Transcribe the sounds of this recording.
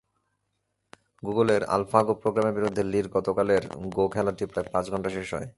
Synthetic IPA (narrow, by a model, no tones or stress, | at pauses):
ɡuɡoleɾa̰lfakopɾoɡɾameɾbiɾud̪ʱːeliɾɡɔt̪okaleɾɡokʰɛlaʈipɾaepãt͡ɕɡʱɔɳʈaʃeʃɦɔ̰e